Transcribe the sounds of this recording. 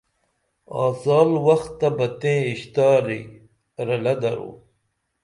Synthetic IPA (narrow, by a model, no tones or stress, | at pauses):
ɑ̰ːzaːlwɐxt̪ːɐbɐt̪ẽːiɕt̪aːɾḭ | ɾɐlɐd̪ɐɾo̰ː